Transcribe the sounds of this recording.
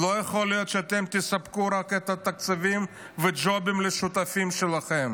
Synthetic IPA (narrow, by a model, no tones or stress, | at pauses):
lojeχolijot̪ʃeat̪emt̪ɪsapkuɾaket̪at̪ak̚t͡savim | ved͡ʒobimleʃut̪afimʃelaχem